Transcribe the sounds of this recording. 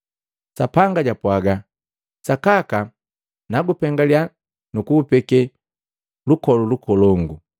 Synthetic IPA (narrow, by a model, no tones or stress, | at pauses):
sapaŋɡaɟapwaɡa | sakaka | naɡupɛŋɡalia | nukupɛkɛ | lukɔlulukʰɔlɔŋɡu